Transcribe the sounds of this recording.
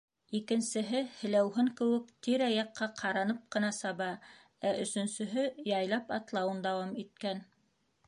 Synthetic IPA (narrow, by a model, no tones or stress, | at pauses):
ikɘ̆nsɘ̆ɦɘhɘ̆læwɦɘŋkɘ̆wɘk̚t̪iɾɑjɑqːɑqʰɑɾɑnɤp̚qɤ̆nɑsɑβɑ | æʔɵ̆sɵ̆nsɵ̆ɦɘjɑjlˠɑpɑt̪lˠɑwɤnd̪ɑwɑmit̪̚kæn